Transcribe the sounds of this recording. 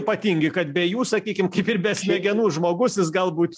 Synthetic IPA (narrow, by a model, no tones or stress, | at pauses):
pɐt̪ʲiŋʲɡʲɪkɐt̪bʲɛjuːsɐkʲiːkʲɪmkɐɪpɪɾbʲɛsʲmʲɛɡʲɛnuːʒmoːɡʊsjɪsɡɐlˠbuːt̪